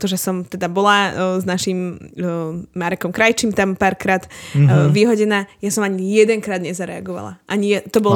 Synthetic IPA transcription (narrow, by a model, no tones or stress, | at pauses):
t̪ɔʒɛsɔmt̪ɛd̪abɔlaznaʃim | aɾɛkɔmkɾajt͡ʃimt̪ampaːɾkɾaːd̪ʋiɦɔɟɛnaːjasɔmaɲijɛd̪ɛŋkɾaːd̪ɲɛzaɾɛa̰ɡɔʋa̰la̰ʔaɲiɛt̪ɔbɔl